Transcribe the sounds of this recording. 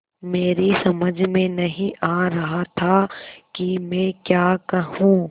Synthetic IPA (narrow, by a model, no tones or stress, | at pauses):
meːɾisɐməd͡ʒʱmẽnɐɦĩʔaːɾɐɦat̪ʰakimɛ̃ːkjaːkɐɦũː